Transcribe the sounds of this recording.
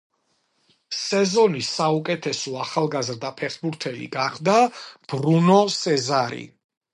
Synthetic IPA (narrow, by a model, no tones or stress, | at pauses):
sɛzɔnisaukʼɛt̪ʰɛsɔaχalˠɡazɾd̪apʰɛχbuɾt̪ʰɛlḭɡaχd̪ab̥ɾunɔsɛzaɾḭ